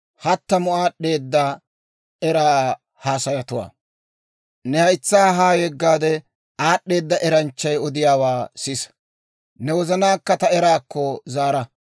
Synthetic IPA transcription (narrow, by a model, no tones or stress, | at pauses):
hɐt̪ːɐmʊaːɗe̞ːd̪ːɐ | ɛɾaː | haːsɐjɐt̪ʊwa̰ː | nɛhɐjt͡sːaːɦaːjɛɡːaːd̪ɛ | aːɗːe̞ːd̪ːɐʔɛɾɐnt͡ʃːɐjɔd̪ɪjaːwaːsɪs | nɛwɔzɐnaːkːɐt̪ɐɛɾaːkːɔzaːɾɐ